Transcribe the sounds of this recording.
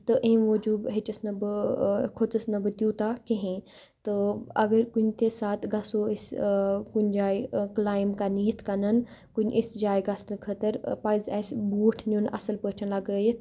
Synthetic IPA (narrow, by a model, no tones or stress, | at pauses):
t̪ɐʔeːmʋɐd͡ʒuːbɦet͡ʃəsnɐb | kʰot͡səsnɐbɨt̪juːt̪akɐɦẽ | t̪ɐɐɡəɾkʊnt̪esaːt̪ʰɡɐsoɪskʊnd͡ʒaːiklaːɪmkaniːət̪ʰkɐnənkʊɲʔɪsd͡ʒaːjɡɐsnɨkʰɐt̪əɾpaːɪzɛːsbuːʈʰnunʔɐ̰səlpəːʈʰənlɐɡəje